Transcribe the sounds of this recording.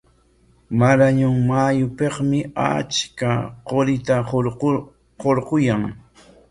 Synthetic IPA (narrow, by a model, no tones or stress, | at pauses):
maɾaɲʊŋmajʊpeχmɪa̰t͡ʃkaqoɾɪt̪a | qoɾqʊjaŋ